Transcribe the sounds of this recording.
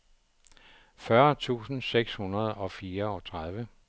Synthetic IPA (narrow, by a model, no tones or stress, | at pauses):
fɶɐt͡sʰṵːsn̩seɡ̥shunɐð̞ˠɒ̽fiːɐɒ̽t͡sʰʁað̞ˠʋə